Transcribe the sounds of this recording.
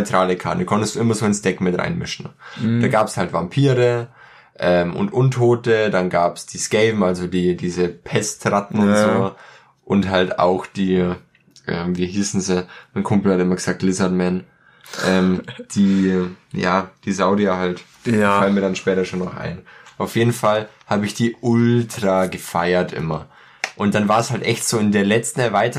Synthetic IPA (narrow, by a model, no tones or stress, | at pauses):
ʏtʁ̥aːləkʰaɐtnkʰɔntəstd̥uːʔɪmɐzoːɪnsd̥ɛkmɪtʁa̰ɪnmɪ̰ʃn̩̥aːɡaːpshaltv̥ampʰiːʁə | ʔɛːmʊ̰ntʔʊntʰoːtədanɡaːpsd̥iːskɛɪvm̩alzodiːdiːzəpʰɛstʁatn̩ʊntzzoː | ʔʊntɦalta̰ʊxd̥iː | ʔɛ̰ːmviːɦiːsn̩zimaɪnkʰʊmpl̩hatɪmɐɡəz̥aːk̚tlɪzɐtmɛn | ʔʔɛːmd̥iːjaːd̥iːzaʊdiaɦalt | falnmiːɐɾanʃpɛːtɐʃoːnːɔχʔa̰ɪnʔaʊfjeːdn̩falhaːbəɪçd̥iːʔʊltʁ̥aːɡəfaɪɐtʔɪ̰mɐ | ʔʊnt̚d̥anvaːɐshaltʔɛçtz̥oːɪndeːɐlɛt͡stn̩ɛɐvaɪtə